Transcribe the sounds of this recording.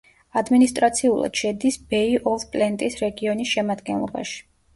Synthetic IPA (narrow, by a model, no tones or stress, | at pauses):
ad̪minist̪ʼɾat̪sʰiulˠa̰d̪̥ʃɛd̪isbɛiʔɔfpʼlɛnt̪ʼisɾɛɡiɔnisʃɛmad̪ɡɛnlˠɔ̰ba̰ʃi̥